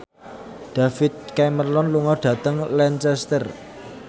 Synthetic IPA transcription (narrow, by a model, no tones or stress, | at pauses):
ɖ̥a̤fɪt̪̚kɛmərlɔnluŋɔɖ̥ä̤t̪əŋlɛnt͡ʃɛst̪ər